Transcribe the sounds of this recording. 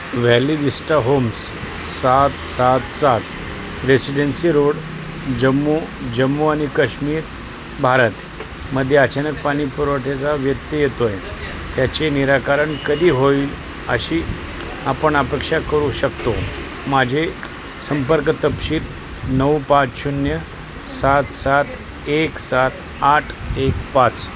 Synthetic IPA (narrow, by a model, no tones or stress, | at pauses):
ʋælid̪isʈaɦoms | sat̪sat̪sat̪ | ɾesiɖensiɾoɽ | d͡ʑəmːud͡ʑəmːuaɽ̃ikəɕmiːɾ | bʱaɾət̪ | məd̪ʱːjeət͡ɕanək̚paɽ̃ipuɾʋaʈet͡saʋjət̪ːəjet̪oje | t̪jat͡ɕeniɾakaɾəɳkəd̪ʱiːɦoiːl | ə̰ɕiː | apəɳapekʂakəɾuɕəkt̪o | mad͡ʑʱe | səmpəɾkt̪əpɕiːɾ | nəwpat͡sɕunjə | sat̪sat̪ | eksat̪ | aʈʰekpat͡s